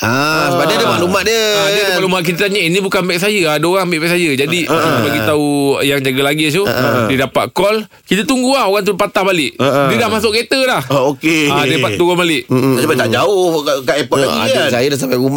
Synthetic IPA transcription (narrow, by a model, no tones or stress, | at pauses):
asbadədəmaʔlumaʔdiəadəmaʔlumaʔk̬it̪ət̪aɲainĩbukanbɛʔk̚s̬ajəadaoɣaŋmbeʔbɛʔsajəd͡ʒadibaɡit̪aujaŋd͡ʒaɡalaɡisudidapa̰t̪̚kɔl | kit̪ət̪uŋɡuaoɣaŋt̪upat̪ahbalɪʔdidahmas̬ʊʔket̪əlahokeadaipat̪ːuɣɔbalɪʔasəbat̪aʔd͡ʒaʊhkaʔepɔlaɡia̰sajədas̬ampaum